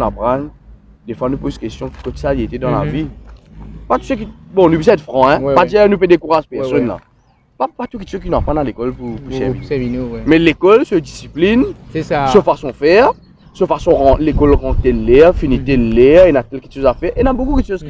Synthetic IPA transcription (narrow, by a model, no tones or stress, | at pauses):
napʁan | d̪efwanupozkɛst̪jɔ̃ki̥kot̪saʁjet̪ed̪ɑ̃la̰vi | pat̪usøk̬ibɔ̃nupis̬ɛ̃ɛt̪fʁɑ̃ɛ̃padiɛnupɛd̪ekuʁaʒpɛʁsɔnla̰ | papat̪ukɛt̪søkinapãnãlekɔlpupusɛ̰vimɛlekɔlsəd̪isiplinsəfasɔ̃fɛːʁ | səfasɔ̃ʁɑ̃lekɔlʁɑ̃t̪ɛllɛʁfinit̪ɛllɛʁinat̪ɛlkɛt̪ʃozafɛʁenabokukɛt̪ʃoz